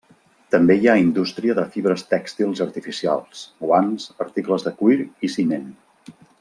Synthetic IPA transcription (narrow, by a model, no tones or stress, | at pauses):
t̪əmbejaind̪ust̪ɾiəðəfiβɾəst̪ɛkst̪ilˠzəɾt̪ifisia̰lˠsɡwanzəɾt̪ikləzðəkuiɾisinen